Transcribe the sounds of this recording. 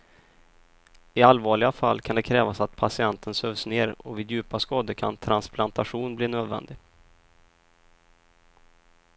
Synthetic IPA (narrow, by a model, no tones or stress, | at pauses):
ɪalvɑːɭɪɡafa̰lːkʰand̪ɛkʰɾɛːvasat̪pʰasɪɛnt̪ʰənsøːvsneːɾɔvɪːd̪jʉ̟ːpaskɑːd̪əkʰa̰nt̪ʰɾansplant̪aɧuːnbliːnøːd̪vɛ̰nd̪ɪ